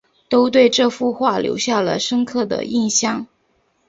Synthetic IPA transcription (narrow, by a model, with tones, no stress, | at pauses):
t̪o˥ʊt̪̬we˥˧ɪʈ͡ʂɤ˥˧fu˥˧xwa˥˩ljo̰˧˥ʊɕja˥˩lə̰˩ʂə˥ŋkʰɤ˥˩d̪ə̰˩ʔi˥˩nɕjɑ˥˩ŋ